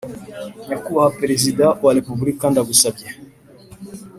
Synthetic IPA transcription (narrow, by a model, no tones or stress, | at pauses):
nakuwaapɛɾɛzidawalipuvulikːandaɡusapja